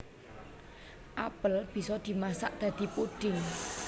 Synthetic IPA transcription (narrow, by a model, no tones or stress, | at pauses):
ʔapəlb̥i̤sɔd̪̥i̤masaʔd̪̥a̤d̪̥i̤puɖ̥ɪŋ